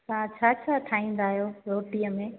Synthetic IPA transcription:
sãt͡ɕʰaːt͡ɕʰaʈʰaːĩːn̆d̪aːɦijoːɾoːʈijəmẽ

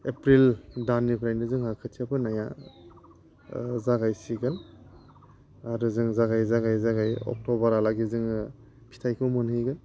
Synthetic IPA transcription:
epɾildanːipʰɾajndɯzɯŋhakʰɯtʰiapʰɯnaja | zaɡajsiɡan | aɾɯzɯŋzaɡajzaɡajzaɡajɔ̰k̚tɔbaɾalaɡizɯŋ | pʰi̥tʰajkʰɯwmɯnhɯjɡɯn

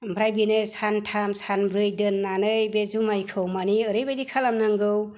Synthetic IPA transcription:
mbʰɾajbinɯsantʰamsanbɾɯjdɯnːanɯjbezumajkʰɯwmaniɯɾɯjbajdikʰalamnɯŋɡɯw

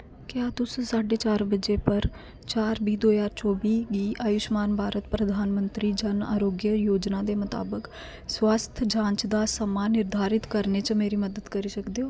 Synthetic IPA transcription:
kjaːt̪ʊssaːɖeːt͡ʃaːɾbəd͡ʒeːpəɾ | t͡ʃaːɾbiːd̪oːjaːɾt͡ʃɔːbiːɡiːʔaːjʊʃmaːnbʱaːɾət̪pɾəd̪ʱaːnmə̃nt̪ɾiːd͡ʒəna̰ːɾoːɡjəjoːd͡ʒnãːd̪eːmət̪a̰ːbək | swaːst̪ʰd͡ʒãːɲt͡ʃd̪aːsəmaːnːɪɾd̪ʱaːɾɪt̪kəɾnet͡ʃəmeːɾiːməd̪əd̪kəɾiːsəkd̪eɦoː

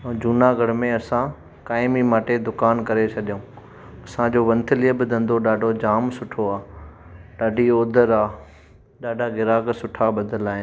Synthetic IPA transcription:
d͡ʑuːnaɡɐɽmẽɐsã | kaːɪmimaːʈed̪ʊkaːnkɐɾet͡ɕʰɐɗijõː | ɐsãd͡ʑoːʋɐ̃nt̪ʰɪlijəbɪd̪ʱɐ̃nd̪oɗaːɖʱod͡ʑaːmsʊʈʰoaː | ɗaːɖʱioːd̪ʱəɾaː | ɗaːɖʱaɡɪɾaːksʊʈʰaɓɐd̪ʱəlaːɦɪn

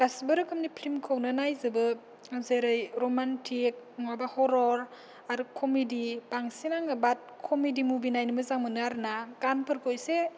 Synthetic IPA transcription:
ɡ̥asbɯɾɯkʰɯmnipʰɾimkʰawnɯnajzɯbɯ | zeɾɯjɾomantʰik̚ŋabahɔɾɔɾ | aɾukʰɔmidib̥aŋsinaŋabat̚kʰɔmidimubinajnɯmɯzaŋmɯnɯaɾnakanpʰɯɾkʰojse

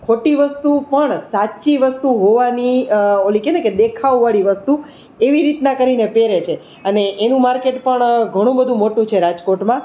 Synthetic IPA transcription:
kʰoʈiʋəst̪upəɳsat͡ʃiʋəst̪uɦoʋaniolikeneked̪ekʰaʋʋaɭiʋəst̪u | eʋiɾit̪nakəɾinepeɾet͡ʃʰe | əneʔːnũmaɾkeʈpəɳɡʱəɽ̃ũbəd̪ʱũmoʈũt͡ʃʰeɾad͡ʒkoʈmã

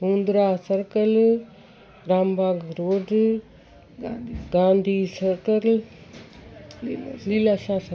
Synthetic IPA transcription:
uːnd̪ɾaːsɐɾkɐl | ɾaːmbʱaːɡɾoːɖ | ɡãːnd̪ʱiːsɐɾkɐl | lilaːʃaːsɐ

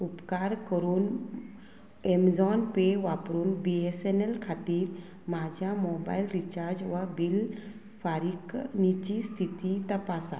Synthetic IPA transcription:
upkaɾkəɾun | emzɔnpeʋapɾunbiesenelkʰat̪iɾ | mad͡ʒamɔba̰jlɾit͡ʃaɾd͡ʒʋabil | pʰaɾiknit͡ʃist̪ʰit̪it̪ɐpasa̰

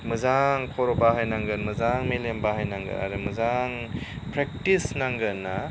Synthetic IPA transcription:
mɯzaŋkʰɔɾɔbaɦajnaŋɡɯnmɯzaŋmilembahajnaŋɡɯ̰ɾa̰ɾɯmɯzaŋ | pɾek̚tisnaŋɡɯna

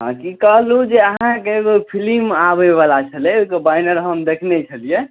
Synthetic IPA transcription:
ɦãkikəɦlud͡ʒeəɦɦãkepʰilimabeʋalat͡ʃʰəlɛokebaɪnəɾɦəmd̪ekʰnet͡ʃʰəlije

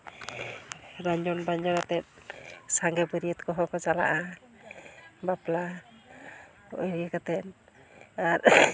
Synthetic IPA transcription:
ɾaɲd͡ʒɔnbaɲd͡ʒɔnat̪ɛt̪̚saŋɡɛpəɾiət̪kɔɦɔkɔt͡ʃala̰ʔa | bapla | ɔʔiɾiakat̪ɛn | aɾ

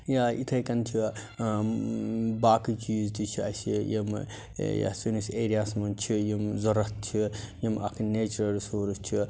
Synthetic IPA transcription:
jait̪ʰɐjkɐnt͡ʃʰi | baːkit͡ʃiːzt̪it͡ʃʰiɐ̰sijem | ja̰suniseːɾijasmɐnt͡ʃʰijimzɐɾɐt̪t͡ʃʰijimɐ̰kʰneːt͡ʃɾɐɾsoːɾust͡ʃʰi

